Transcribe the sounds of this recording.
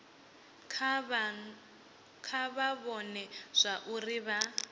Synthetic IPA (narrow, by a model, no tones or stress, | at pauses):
kʰaβaβɔnɛz̥ʷaʔuriβa